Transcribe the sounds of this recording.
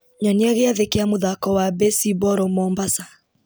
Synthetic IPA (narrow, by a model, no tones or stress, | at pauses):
ɲɔniaɣeaðekeamoðakɔwabɛsibɔɾɔmɔmbasa